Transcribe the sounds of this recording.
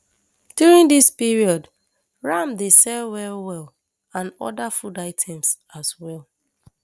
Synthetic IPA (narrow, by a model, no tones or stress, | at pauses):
d̥juɹĩndispiɹiɔd | ɹamdesɛlwɛlwɛl | ãnɔ̰dafudaɪtʰɛ̃ms | azwɛlˠ